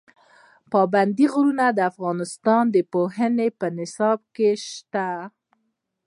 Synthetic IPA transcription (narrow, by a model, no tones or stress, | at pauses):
pɑband̪iɣɾunad̪əafɣɑnɪst̪ɑnd̪əpoɦənepənɪsɑb̚keʃt̪a